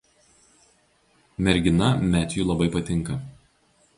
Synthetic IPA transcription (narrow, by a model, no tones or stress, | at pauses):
mʲɛɾʲɡʲɪnɐmʲæːt̪ʲjuːlˠɐbɐɪpɐt̪ʲɪŋˑkɐ